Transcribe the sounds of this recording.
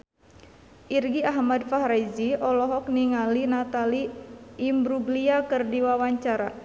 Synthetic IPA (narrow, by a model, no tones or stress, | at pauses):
ʔirɡiaɦmadfahɾajziɔlɔɦɔk̚niŋalinat̪aliː | mbɾuɡliakɨrdiwawaɲt͡ʃaɾa̰